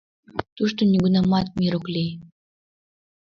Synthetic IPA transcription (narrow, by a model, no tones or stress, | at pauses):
t̪uʃt̪onʲiɡunɑmɑt̪̚miɾoklʲej